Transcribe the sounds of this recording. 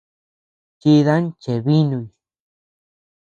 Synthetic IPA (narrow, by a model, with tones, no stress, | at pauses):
t͡ʃi˧ða˦n˦t͡ʃe˨βi˦nũ˧i˧˨